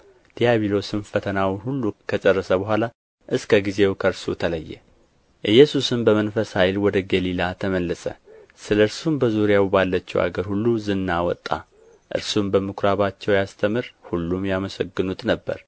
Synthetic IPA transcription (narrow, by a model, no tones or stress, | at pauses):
d̪̥ijaβilo̞sɨnfət̪ʰənawhulːukʰət͡ʃʼərːəsəbəɦʷala | ʔɨskʰəɡize̞wkʰəɾsut̪ʰələjːɛ̰ | ʔɨjːɛsusɨmbəmənfəsajlwɔd̪əɡəlilat̪ʰəməlːəsə̰sɨləɨɾsumbəzuɾjawbalːət͡ʃːɛwa̰ɡəɾhulːuzɨnːawɔt̪ʼːa̰ | ʔɨ̰ɾsumbəmɨkɾaβat͡ʃːɛwjast̪ʰəmɨɾhulːumjaməsəɡːɨnut̪ʼnəbːə̰ɾ